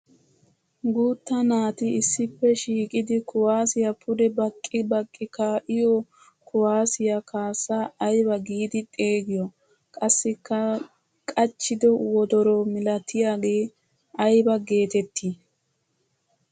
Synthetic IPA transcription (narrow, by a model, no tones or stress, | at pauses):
ɡuːt̪ːɐnaːt̪ɪɪsːɪpːɛʃiːkʼɪd̪ɪkʊwaːsɪjɐpʰʊd̪ɛbɐkʼːɪbɐkʼːɪkaʔɪjo | kʊwaːsɪjɐkʰaːsːaːjbɐɡiːd̪ɪt̪ʼe̞ːɡɪjɔ | kʼɐsːɪkːɐ | kʼɐt͡ʃːɪd̪ɔwɔd̪ɔɾɔmɪlɐt̪ʰːɪjaːɡe̞ː | ɐjbɐɡe̞ːt̪ɛt̪ʰːi